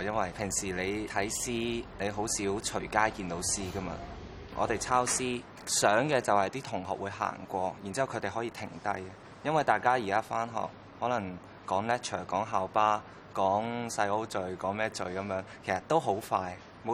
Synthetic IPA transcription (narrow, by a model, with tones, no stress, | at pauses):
jɐ˥nwɐ˨jpʰɪ˨˩ŋsiː˨˩le˨˧jt̪ʰɐ˨˥jsiː˥ne˨˧ɦo˨˥wsiː˨˥wt͡ʃʰɵ˨˩ɥkaː˥jkiː˧nt̪o˨˥wsiː˥kɐ˥mɐ̰˧ | ʔɔ̰˨˧t̪e˨jt͡sʰaː˥wsiː˥ | sœː˨˥ŋkɛː˧t͡sɐ˨whɐ˨jt̪iː˥t̪ʰʊ˨˩ŋhɔ̰ː˨k̚wuː˨˧jɦa̰ː˨˩ŋkʷɔː˧ji˨˩nt͡si˥ɐ˨wkʰɵ˨˧t̪e˨jɦɔ˨˥jiː˧t̪ʰɪ̰˨˩ŋt̪ɐ˥j | jɐ˥nwɐ˨jt̪aː˨jkaː˥ji˨˩kaː˥faː˥nɦɔ̰ː˨k̚ | hɔː˨˥lɐ˨˩ŋ | kɔː˨˥ŋlɛː˥t̚t͡ʃʰœː˨˩kɔː˨˥ŋɦaː˨wpaː˥ | kɔː˨˥ŋsɐ˧jo˥wt͡sɵ˨ɥkɔː˨˥ŋmɛː˥t͡sɵ˨˧ɥkɐ˨˧mjœː˨˥ŋkʰe˨˩jsɐ˨˩t̪ːo˥wɦo˨˥wfaː˧j | mo˨˧